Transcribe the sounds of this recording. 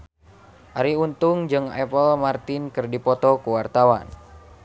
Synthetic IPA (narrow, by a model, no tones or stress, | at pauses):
ʔaɾiunt̪uŋd͡ʒɨŋɛ̰pəlmart̪ɪnkɨrdipɔt̪ɔkuwart̪awa̰n